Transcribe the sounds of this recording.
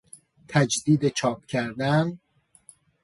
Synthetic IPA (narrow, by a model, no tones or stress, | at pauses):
t̪ʰæd͡ʒd̪iːd̪et͡ʃʰɒːp̚cʰæɾd̪æn